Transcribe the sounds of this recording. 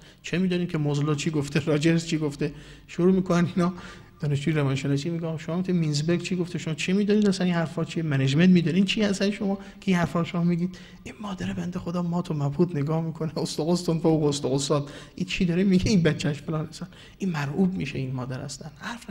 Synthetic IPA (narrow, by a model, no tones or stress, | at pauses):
t͡ʃʰemiːd̪ɔnid̪kʰʲemozloːt͡ʃʰiːɡoft̪ʰeɾɒːd͡ʒeɾzt͡ʃʰiːɡoft̪e | ʃoɾuːmiːkʰonæninɒː | d̪̥ɒːneʃd͡ʒuːjeɾevɒnʃenɒsimiɡeɒːɣɔʃomɒːmikt̪ʰniminzbeɾɡt͡ʃʰiɡoft̪eʃomɒːt͡ʃʰimiːd̪uniːd̪æsæninhæɾfɒːt͡ʃʰiemæned͡ʒment̪miːd̪unid̪t͡ʃʰiːhæst̪ænʃomɒː | kʲʰeinhæɾfɒːɾʃomɒːmiːɡiːd̪̥ | inmɒːd̪æɾebænd̪exod̪ɒːmɒːt̪ʰomæphuːt̪neɡɒːhmiːkʰoneost̪ɒɣost̪onfowɣoost̪oɣost̪ɒːd̪ʔit͡ʃʰiːd̪ɒɾemiɡeinbæt͡ʃʰːæʃfelɒnhæsæn | ʔinmæɾhuːbmiʃḛiːnmɒːd̪æɾhæ̰st̪ænhæɾf